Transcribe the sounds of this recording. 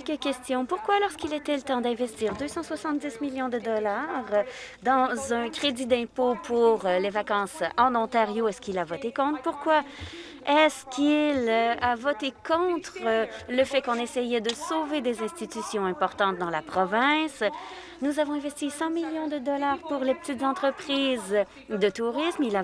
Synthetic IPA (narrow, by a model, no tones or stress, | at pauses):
ɛlkəkʲɛst̪jɔ̃puʁkwalɔʁskʲilet̪ɛlət̪ɑ̃d̪ɛ̃vɛst̪iːʁd̪øsɑ̃swasɑ̃t̪̚d̪ismiljɔ̃d̪əd̪ɔlaʁd̪ɑ̃zɛ̃kχed̪id̪ɛ̃popʰuʁlevakɑ̃sɑ̃nɔ̃t̪aʁjoɛskʲilavɔt̪ekɔ̃t̪χpuʁkwa | ɛskʲilavɔt̪ekɔ̃t̪χələfɛkɔ̃nɛsɛjɛd̪əsoved̪ezɛ̃st̪it̪ysjɔ̃ɛ̃pɔʁt̪ɑ̃t̪̚d̪ɑ̃lapχɔvɛ̃s | nuzavɔ̃ɛ̃vɛst̪isɑ̃miljɔ̃d̪əd̪ɔlaːʁpuʁlepə̥t̪it̪zɑ̃t̪χəpχiːz | d̪ət̪uʁismila